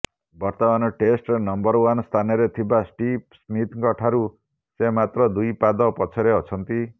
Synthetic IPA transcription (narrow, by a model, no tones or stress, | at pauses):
bɔɾt̪ɔmanɔʈesʈenɔmbɔɾwanst̪ʰanɔɾet̪ʰibasʈipsmit̪ʰkɔʈʰaɾu | semat̪ɾɔd̪ujpad̪ɔpɔt͡ʃʰɔɾeɔt͡ʃʰɔnt̪i